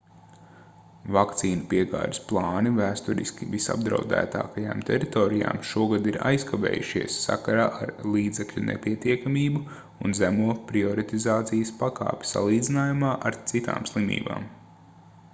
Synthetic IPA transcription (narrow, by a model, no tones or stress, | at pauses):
vakt̪siːnupiɛɡa̰ːd̪ɪsplˠɑːnivæːst̪uɾḭskʲivisa̰b̚d̪ɾa̰ʊd̪æ̰ːt̪a̰ːkaja̰ːmt̪ʰɛɾit̪ɔːɾija̰ːmʃuɔɡad̪iɾa̰jskaʋḛːjuʃiɛəsːa̰kaɾaːʔaɾlˠiːd̪zɛklʲunʔḛpiɛt̪iɛkamiːbu | unzæmuɔpɾiɔɾit̪izaːt̪sijəspaka̰ːpʲsa̰lˠiːd̪zinaːjumaːʔaɾt̪sit̪a̰ːmslˠimḭːba̰ːm